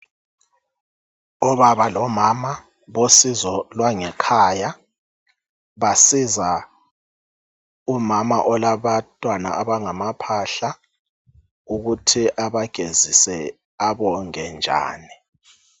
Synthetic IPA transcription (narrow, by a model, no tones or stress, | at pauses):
ɔβaβalɔmama | βosizɔlwaŋɛkʰaːja | βasiza | umama̰ʔɔlaβatʼwana̰ʔaβaŋamapʰaɬa | uɣutʰiʔaβaɡ̥ʱezisɛ | aβɔŋɛnd͡ʒʱa̰ːni